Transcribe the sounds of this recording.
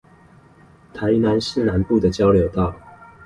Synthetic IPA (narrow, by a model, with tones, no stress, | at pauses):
t̪ʰa˨˦ɪna˨˦nsɻ̩˥˨na˨˦npu˥˨d̪ə˨˩t͡ɕjɑ˥ʊljo˨˥ʊt̪ɑ˥˨ʊ